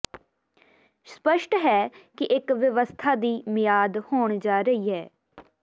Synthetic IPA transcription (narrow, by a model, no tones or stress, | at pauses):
spəʃʈɦɛːkɪʔɪkʋɪʋəst̪ʰaːd̪iːmɪjaːd̪hoːɳd͡ʒaːɾəiːɦɛː